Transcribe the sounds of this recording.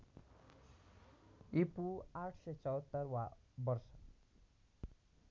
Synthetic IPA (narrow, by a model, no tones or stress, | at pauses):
ipuaʈʰset͡sʌwt̪ːʌrwabʌrsʌ